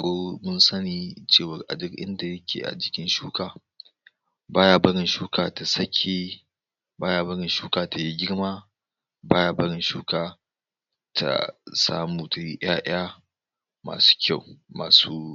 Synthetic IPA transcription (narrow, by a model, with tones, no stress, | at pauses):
a˨ɽoː˦mʊ˦nsɐ˦ni˨t͡ʃeː˦˨wɐ˨rʔa̰˨dʊ˦kʔɪ̰˦nda˨jɐ˦kʲʰḛː˨ʔa̰˨d͡ʒɪ̥˦kʲɪ˦nʃuː˦kaː˨ | baː˦jaː˨bɐ˦ɾɪ˨nʃuː˦kaː˨ta˨sɐ˦kʲʰeː˨ | baː˦jaː˨bɐ˦ɾɪ˨nʃuː˦kaː˨ta˨ji˦ɡʲɪ˦ɽmaː˦ | baː˦ja˨bɐ˦ɽɪ˨nʃuː˦kaː˨ | tʰa̰˨sa̰ː˦muː˨ta˨ji˦ʔj̰aː˦ʔɪ̰˦a˦ | ma̰ː˨su̥ː˦kʲʰa˦˨wma̰ː˨suː˦